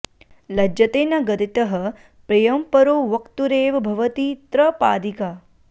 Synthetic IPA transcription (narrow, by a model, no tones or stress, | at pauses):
lɐd͡ʒɐt̪eːnɐɡɐt̪it̪ɐɦɐ̆ | pɾɐjɐmpɐɾoːʋɐkt̪uɾeːʋɐbʱɐʋɐt̪iːt̪ɾɐpaːd̪ikaː